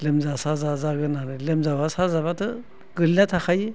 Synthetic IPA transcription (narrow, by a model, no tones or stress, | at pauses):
lemzasazazaɡɨnanɨlemzabasazaβatɨ | kɨlnat̪ʰaxaji